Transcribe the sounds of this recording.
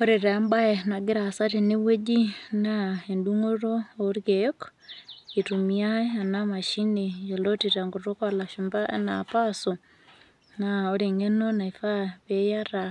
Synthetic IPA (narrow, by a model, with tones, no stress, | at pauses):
o˦ɾe˨ɾa˨˦mba˦e˨na˨ɡe˦ɾa˨sa˦te˨ne˦we˦d͡ʒi˦nae˨nduŋo˦ɾoː˦ɾkeo˦k | e˨tu˨mia˦ea˨nama˨ʃi˦ni˨jo˨lo˦ti˨ɾa˨ŋɡo˨to˦ka˦la˨ʃumba˦ʔḛ˦na̰˨paso˨ | nao˦ɾe˨ŋe˦no˦na˨i˨fa˦βeja˦ɾa˨